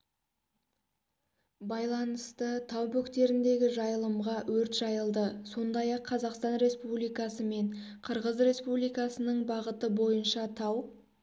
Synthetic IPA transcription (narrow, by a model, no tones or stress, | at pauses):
bɑjlˠɑnəst̪ət̪ʰɑwbɵkt̪e̞ɾɪnd̪e̞ɡʲɪʒɑjəlˠəmʁɑwɵɾt̪ʒ̥ɑjəlˠd̪əso̞nd̪ɑjɑqʰːɑzɑqst̪ɑnɾe̞spublijkɑsəme̞ɴqʰəɾʁəzɾe̞spublijkɑsənəɴbɑʁət̪əbo̞jənʃɑt̪ʰɑw